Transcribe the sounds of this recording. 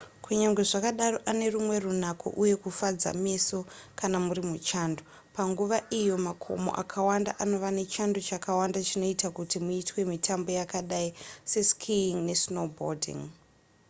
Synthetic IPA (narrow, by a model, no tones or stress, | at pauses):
kʰuɲaŋɡwe̞ʐakaɗaro̞ʔane̞rumwe̞run̤akʰo̰ʔuje̞kufad͡za̰me̞so̞kanamuɾimut͡ʃaːndo | paŋɡuʋaʔijo̞makʰo̞̰mo̞̰ʔa̰kʰawanda̰ʔano̞ʋane̞t͡ʃandot͡ʃakawandat͡ʃino̞itakutimuitwe̞mitʰambo̞jakaɗaise̞skʰiŋne̞snobo̰rdḭŋ